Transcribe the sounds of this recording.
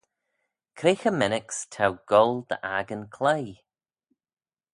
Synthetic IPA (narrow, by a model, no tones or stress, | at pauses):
kʰɾexəmɛnɪkstʰawɡ̥ɔlˠd̪ə̰ʔaɡənkʰlej